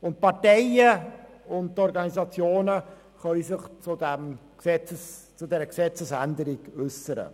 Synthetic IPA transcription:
ʊntpɑɾtɛɪə | ʊnttɔɾɡɑnizɑt͡sjoːnə | χœlisɪχt͡sʊdɛmksɛt͡səs | t͡sʊdɛːɾəksɛt͡səsændəɾiɡ̥ʏsəɾə̰

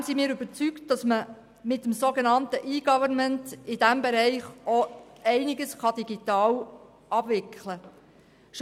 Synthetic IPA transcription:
simiːɾyb̥əɾt͡sykt̚d̥ɑsmə | mɪtːəmsoɡenɑntəʔiːɡɑvəɾnməntɪd̥æmbeɾɛɪχoɛɪnɪɡəsχɑd̥iɡitɑːl | ʔɑb̥ʋɪkχlə | ʃ

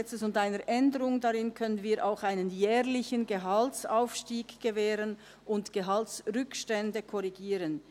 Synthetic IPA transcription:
ɛt͡səsʊndaɪnəɾʔɛndəʁʊŋdɑʁɪnkʰœnənviːɾʔaʊxaɪnənjɛːʁlɪçənɡəɦɑltsaʊfʃtiːɡɡ̥əvɛːɾən | ʔʊntɡ̥əɦɑltsʁʏkʃtɛndəkʰɔʁiɡiːɾən

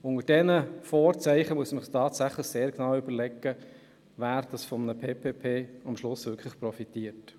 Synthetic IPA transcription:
ʊŋəd̥ɛnəfɔːɾt͡sæɪχəmuəsmɪχtʰɑːtsæχləχseːɾknɑwybəlɛkːə | væːɾd̥ɑsfɔmənəpʰeːpʰeːpʰeːɑmʃlʊsʋʏɾkʰləχprɔfitiət

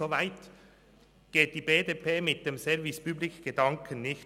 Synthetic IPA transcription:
ovaɪt | ɡ̥eːt̚d̥iːbeːdepʰeːmɪt̚d̥emsɛvɪspyːblɪkɡ̥edɑŋkʰənnɪç

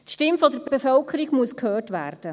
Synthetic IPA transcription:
tʃtɪmfɔdəɾbebefœlkʰəɾiɡmuəskʰhøːtʋæ̰ːrd̥ə

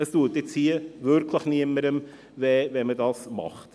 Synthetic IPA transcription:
əstuətɪt͡shiːəvʏɾkʰləχniəməɾəm | vɛːvɛmədɑːsmɑ̰χt

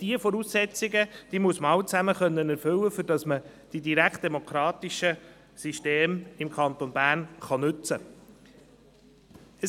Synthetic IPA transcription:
d̥iəfɔɾuːsːɛt͡sɪɡəd̥iːmuəsmɑwt͡sæməχœnːənɛɾfʏwəfʏɾd̥ɑsmə | d̥idiɾækt̚d̥ɛmokʰɾɑːt̪iʃə | siʃteːmɪmkʰɑnt̪onbæːrnχɑnʏt͡sə | ə

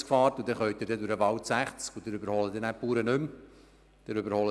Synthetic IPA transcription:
skfɑːɾtud̪ɛχœʏt̪̚ɪɾdɛdʊɾəʋɑwtsæχt͡skud̥̪ɪɾʏbəɾhɔləd̪ɛnæpːuːɾənʏm | d̪̥əɾʏbəɾhɔlə

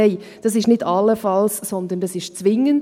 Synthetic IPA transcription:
ɛɪd̥ɑs̬ɪʃnɪdɑlːəfɑlssɔnd̪əndɑsɪʃt͡sʋɪŋənd

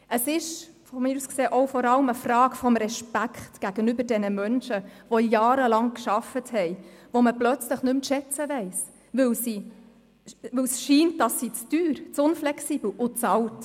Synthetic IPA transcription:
əsɪʃfɔmɪːɾuːskseːʔɔʊfɔɾɑləməfrɑːkfɔmɾɛʃpækχtɡ̥æɡ̥ənʏbəɾdɛnəmœnʃəʋojɑːɾəlɑŋkʃɑfəthɛɪʋoməplœt͡sləχnʏmʃɛt͡səʋɛɪs | ʋʏwsi | ʋɪwsʃiːntd̥ɑsːit͡styːɾt͡sʊnflɛksiːb̥l̩ʊt͡sɑlt

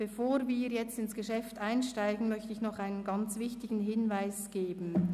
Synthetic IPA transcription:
b̥efoːɾviːʁjɛt͡stɪnsɡ̥əʃɛftaɪnʃtaɪɡn̩mœçtəɪçnɔχaɪnənɡɑnt͡svɪçtɪɡn̩ɦɪnvaɪsɡ̥eːbn̩

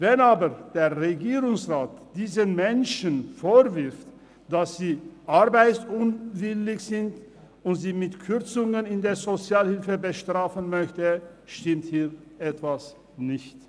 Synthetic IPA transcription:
vɛnaːbəʁd̥eːʁʁeɡiːʁʊŋsʁaːtd̥iːzənmɛnʃənfoːvɪʁft | d̥asz̥iːʔaʁbaɪt͡ssʊnvɪlɪçz̥ɪnt | ʊntziːmɪtkʰʏʁt͡sʊŋənɪndeːɐzot͡sjaːlhɪlfəbəʃtʁ̥aːfənmœçtəʃtɪmthiːʁʔɛtv̥as | nɪçt

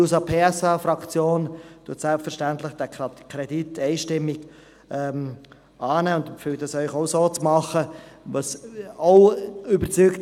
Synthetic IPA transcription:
uːsɑpʰeːɛsɑfrɑkt͡sjoːntuətsɛlpfəɾʃtɛntlɪχd̥ɛkʰɾɛditʰɛɪʃtɪmːɪɡ̥ | ʔɛm | ɑːnɛːʊndfyːtdɑsœʏxoʊsoːt͡smɑχəʋosoʊybət͡sykt

